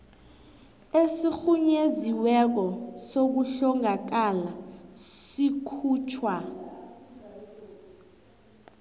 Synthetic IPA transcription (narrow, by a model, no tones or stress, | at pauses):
esixuɲeziwɛk̬ɔsok̬uɬɔŋak̬alasikʰuːt͡ʃʰwa